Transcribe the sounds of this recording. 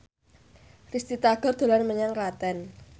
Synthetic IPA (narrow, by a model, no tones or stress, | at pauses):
rist̪it̪aɡ̥ɔ̤rd̪̥o̤lanməɲaŋrat̪ɛn